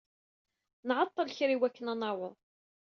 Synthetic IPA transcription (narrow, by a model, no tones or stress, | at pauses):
nʕɑt̪ˤːəlçɾiwækːənænɑwəðˤ